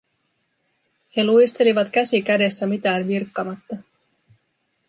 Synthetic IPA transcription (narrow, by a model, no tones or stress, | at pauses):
he̞lujst̪e̞liʋɑt̪kæsikæde̞sːæmit̪æːnʋirkːɑmɑt̪ːɑ